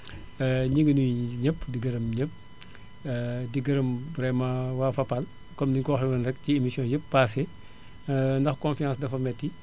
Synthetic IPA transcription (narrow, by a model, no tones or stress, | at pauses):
ɲiɡənujɲəpːdiɡɐɾɐmɲəp̚ː | diɡɐɾɐmbɾɛmãwaːfɐpal | kɔmdiŋkɔːxɡɐnɾɐkciemisijɔ̃ːjəpːase | ndɐxkɔ̃nfijãːsdɐfɐmɛtːi